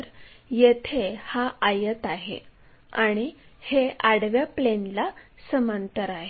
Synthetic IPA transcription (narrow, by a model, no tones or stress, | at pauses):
ɾ | jet̪ʰehaʔajət̪aɦḛ | aɽ̃iheaɽʋjaplenla | səmant̪əɾaɦe